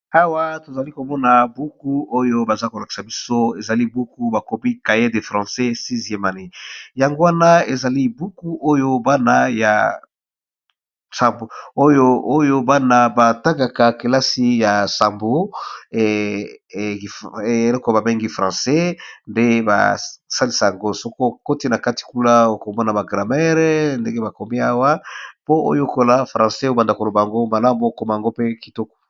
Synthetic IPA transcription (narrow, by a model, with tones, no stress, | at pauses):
a˦wa˦to˨za˨li˦ko˨mɔ˦na˨bu˦ku˦o˦jo˦ba˨za˦ko˨la˨ki̥˨sa˨bi˦so˦e˨za˨li˦bu˦ku˦ba˨ko˨˦bi˦ka˨je˦de˨fʁɑ̃˨sɛ˦si˦zi˨ɛ˦ma˨ne˨ja˨ŋɡo˦wa˦na˦e˨za˨li˦bu˦ku˦ʔo˦jo˦ba˦na˦ja̰˨ | sa˨mbo˨o˦jo˦o˦jo˦ba˦na˦ba˨ta˦ka˨ka˨ke˨la˦si˦ja˨sa˨mbo˨ | e˨lɔ˦ko˦˨ba˨be˦ŋɡi˦fʁã˨sɛ˦nde˦ba̰˨sa˦li˨sa˨a˨ŋɡo˦so˨ko˦ko˦ti˦na˨ka˦ti̥˨ku˦la˦o˨ko˨mɔ˦na˨ba˨ɡʁa˨mɛ˦ʁnde˦ŋɡe˦ba˨ko˨mi˦a˦wa˦po˦o̰˦jo˦˨ko˨la˦fʁã˨se˦o˦ba˨nda˨ko˨lo˨ba˨ja˨ŋɡo˦ma˨la˦m˨o˨ko˨ma˨ja˨ŋɡo˦pe˦ki˨tɔ˦kɔ̥˨